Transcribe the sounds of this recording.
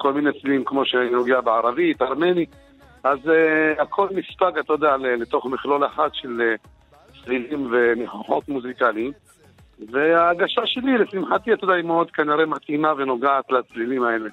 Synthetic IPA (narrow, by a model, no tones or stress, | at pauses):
ko̞lminet͡slilimkmo̞ʃenoɡeabeʕaɾavit̪aʁme̞ni | ʔazeakʰo̞lmispakat̪ajod̪ealelet̪o̞χmiχlo̞laħad̪ʃe̞le | t͡slilimveniħuħo̞t̪muzikaliim | veaɡaʃaʃe̞lilesimħat̪iat̪ajd̪aimeo̞d̪kaniɾemat̪imave̞no̞ɡaat̪lat͡slilimae̞le